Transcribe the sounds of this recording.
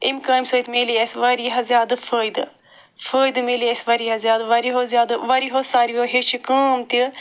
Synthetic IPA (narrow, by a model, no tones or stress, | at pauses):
imkɐːmʲsoːjt̪meliesʋɐɾiɦɐzjaːd̪ɐfʰəːjd̪ɨ | fʰəːjd̪meːliesʋɐɾiɦɐzjaːd̪ʋɐɾiɦozjaːd̪ɐʋɐɾiɦosaːɾioɦeʃikəːmt̪i